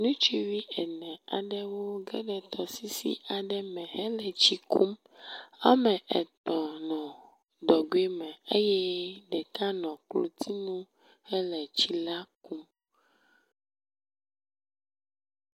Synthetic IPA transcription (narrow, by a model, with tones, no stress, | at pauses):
nũ˦t͡ʃi˦wi˦ɛ˨nɛ̃˨a̰˨ɖɛ˦wo˦ɡɛ̰˦ɖɛ˨t̪ɔ˨si˦sḭ˦a˨ɖɛ˦mɛ̃˨ɦɛ˦lɛ˨t͡ɕi˦kʰu˦m | a̰˦mɛ˨ʔɛ˨t̪ɔ˨nɔ̃˨ | d̪ɔ˨ɡwe˦mɛ̃˨e˦jɛ˦ɖɛ˨t̪ʰa˦nɔ̃˨klo̰˨t̪i˦nũ˦ | hɛ˦lɛ˨t͡ɕi˦la˦ku˦m